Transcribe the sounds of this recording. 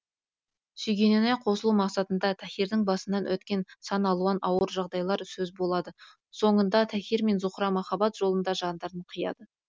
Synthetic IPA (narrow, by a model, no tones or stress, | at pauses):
sʏjɡʲenenɑjqʰo̞səlˠumɑqsɑt̪ənd̪ɑt̪ʰæxʲiɾd̪ɪŋbɑsənːɑnʔwɵt̪kʲe̞nsɑnɑlˠuɑnʔɑwəɾʒɑʁd̪ɑjlˠɑɾsɵzbolˠɑd̪ə | so̞ɴənd̪ɑt̪ʰæxʲiɾme̞nzuχɾɑmɑχɑbɑt̪ʒ̥o̞lˠənd̪ɑʒɑnd̪ɑɾəɴqʰəjɑ̰d̪ə